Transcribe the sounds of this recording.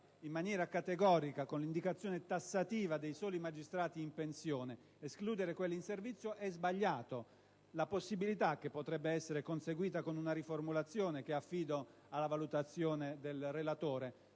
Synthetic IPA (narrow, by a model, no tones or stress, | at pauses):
imːanjɛːɾakat̪eɡɔːɾikakonlind̪ikat̪sːjɔːnet̪asːat̪iːvad̪ejsɔːlimad͡ʒist̪ɾaːt̪iːmpensjɔːne | eskluːd̪eɾekwelːinservit̪sːjoʔɛzbaʎːaːt̪o | laposːibilit̪akːepːot̪ɾɛbːeɛsːeɾekonseɡwiːt̪akonunaɾiformulat̪sːjɔːnek̟eafːiːd̪o | alːavalut̪at̪sːjɔːned̪elrelat̪ɔːɾe